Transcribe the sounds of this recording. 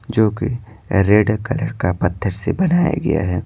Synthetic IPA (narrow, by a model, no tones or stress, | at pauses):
d͡ʒoːki | ɾeːɖkɐləɾkapɐt̪ʰːəɾsebɐnaːja̰ɡɐ̰ja̰ɦɛː